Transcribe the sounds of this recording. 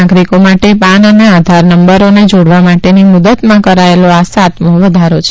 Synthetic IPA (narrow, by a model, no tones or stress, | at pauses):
aɡɾikomaʈepanənead̪ʱaɾnəmbəɾoned͡ʒoɽʋamaʈenimud̪ət̪mãkəɾaeloasat̪moʋəd̪ʱaɾot͡ʃʰe